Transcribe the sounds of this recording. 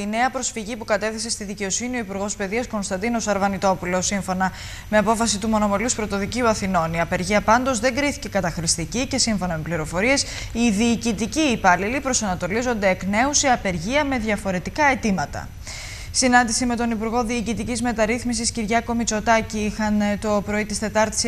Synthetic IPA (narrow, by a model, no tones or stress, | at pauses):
t̪ine̞ɐpɾo̞sfiʝipukɐt̪e̞θise̞st̪iðice̞o̞sinio̞ipuɾɣo̞spe̞ðiɐsko̞nst̪ɐnd̪ino̞sɐɾvɐnit̪o̞pulo̞siɱfo̞nɐ | me̞ɐpo̞fɐsit̪umo̞no̞me̞luspɾo̞t̪o̞ðiciuɐθino̞niɐpe̞ɾʝiɐpɐnd̪o̞zðe̞ŋɡɾiθi̥ce̞kɐt̪ɐxɾist̪icice̞siɱfo̞nɐme̞pliɾo̞fo̞ɾie̞s | iðiːcit̪iciːpɐlilipɾo̞sɐnɐt̪o̞lizo̞nd̪e̞ːkne̞usiɐpe̞ɾʝiɐme̞ðʝɐfo̞ɾe̞t̪ikɐe̞t̪imɐt̪ɐ̰ | sinɐnd̪isime̞t̪o̞nipuɾɣo̞ðiːcit̪icizme̞t̪ɐɾiθmisisciɾʝɐko̞mit͡so̞t̪ɐciixɐnt̪o̞pɾo̞it̪ist̪e̞t̪ɐɾt̪i̥s